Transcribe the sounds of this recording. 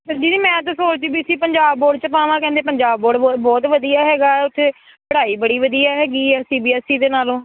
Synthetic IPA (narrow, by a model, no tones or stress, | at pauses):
d͡ʒiːiːmɛ̃ːt̪̬asoːɾd͡ʒ̪ibiːsiːpəɲd͡ʒaːbːoːɖt͡ʃəpãːʋãːkɛ̃ːnd̪eːp̬əɲd͡ʒaːbːoːɖːbɔːt̪ʋəd̪ijaːɦɛːɡaːɛːʊt̪ʰːe | pəɽaːiːbəɽiːʋəd̪iːaːɦɛːɡiːɛːsiːbiːɛːsiːd̪eːnaːlõː